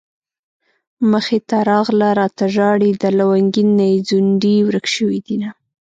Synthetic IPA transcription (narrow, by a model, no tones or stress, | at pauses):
məxet̪aɾɑɣlaɾɑt̪aʒɑɽid̪əlawaŋɡinːajd͡zuɳɖiwɾəkʃəwid̪ina